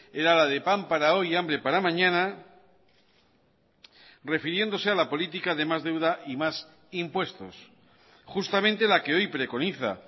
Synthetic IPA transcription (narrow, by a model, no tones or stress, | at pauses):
e̞ɾalað̞e̞pampaɾao̞jambɾe̞paɾamãɲãna | re̞fiɾje̞nd̪o̞se̞alapo̞lit̪̬ikaðe̞mazðe̞wðaʔimas | impwe̞st̪o̞̰s | xust̪amẽnt̪e̞lake̞o̞jpɾe̞ko̞niθa̰